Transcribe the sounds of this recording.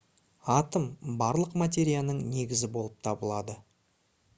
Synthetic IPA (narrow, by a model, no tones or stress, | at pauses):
ɑt̪əmbɑɾlˠəqmat̪̬ʲe̞ɾʲijanəɴne̞ɡʲɪzɪbo̞lˠəp̚t̪ʰɑbəlˠɑd̪ə